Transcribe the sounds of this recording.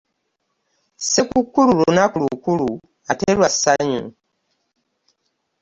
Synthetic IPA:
sekukːululunakulukulu | atelwasaɲṵ

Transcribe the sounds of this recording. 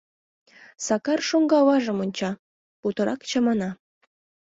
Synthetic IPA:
sɑkɑrʃoŋɡɑwɑʒɤ̆monʲt͡ɕɑ | put̪ɤ̆ɾɑkt͡ɕə̆mɑnɑ

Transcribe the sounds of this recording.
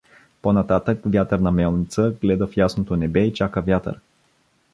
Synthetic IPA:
ponɐt̪at̪əkvjat̪əɾnɐmɛlˠnit̪səɡlɛd̪əfjasnot̪onɛbɛit͡ʃakəvʲjat̪ə̰ɾ

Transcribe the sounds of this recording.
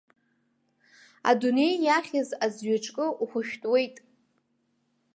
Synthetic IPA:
a̰dune̞jːaχʲazazɥaʈ͡ʂʼkʼɨʔuχʷʊʃᶣtʼwe̞jtʼ

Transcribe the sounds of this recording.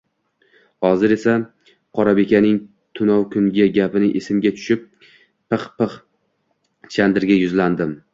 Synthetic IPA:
hɒzɪɾe̞sa | qʰɒɾabe̞kʲʰanɪŋ | t̪ʰʊnɒwkʰʊŋɡʲaɡʲapɪnɪʔesɪmɡʲat̪ʰʊ̥ʃɪp̚ː | ɨχpɨχ | t͡ʃʰand̪ɪɾɡʲajʊzland̪ɪm

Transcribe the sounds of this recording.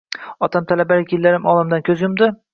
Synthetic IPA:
ɒt̪ʰamt̪ʰalabaɾɪkʲɪlːaɾɪmʔɒlˠamd̪ankʲʰɵzjʊmd̪ɪ

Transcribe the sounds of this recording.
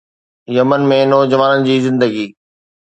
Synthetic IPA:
jɐmənmẽnoːd͡ʑɐʋaːnənɪ̆d͡ʑiːzɪ̃nd̪əɡiː

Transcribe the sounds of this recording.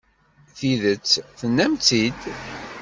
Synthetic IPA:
θiðət͡sːθənːæmt͡sid̪

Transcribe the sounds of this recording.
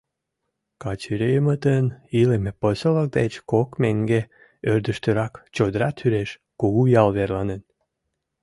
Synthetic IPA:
kɑt͡ɕyɾejəmət̪ənilemepəsələk̚d̪et͡ɕkokmeŋɡe | ørd̪əʃt̪øɾɑkt͡ɕod̪əɾɑt̪ʰyɾeʃ | koɣujɑlβerlɑnen

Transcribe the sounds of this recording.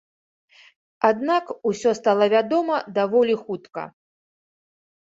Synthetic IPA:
ad̪nakusʲɔst̪alˠɐvʲad̪ɔmɐd̪avɔlʲixut̪kɐ̰

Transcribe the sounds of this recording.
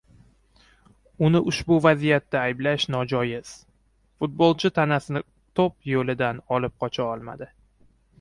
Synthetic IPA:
ʊnɪʔʊʃbʊvazijat̪̚ːaːjblaʃnɒd͡ʒɒjɪz̥ | fʊt̪̚bolˠt͡ʃʰɪt̪ʰanasɪnɪ | t̪ʰopjolɪd̪anɒlɪp̚qʰɒt͡ʃʰaɒlˠma̰d̪ɪ

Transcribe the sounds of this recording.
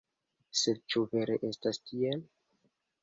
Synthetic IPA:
sed̚t͡ʃuve̞ɾeʔe̞stastiel

